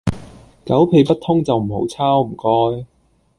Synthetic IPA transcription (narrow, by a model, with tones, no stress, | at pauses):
kɐ˨˥wpʰe˨˧jpɐ˥t̪ʰːʊ˥ŋt͡sɐ˨wm̩˨˩ho̰˨˥wt͡sʰaː˥wm̩˨˩kɔː˥j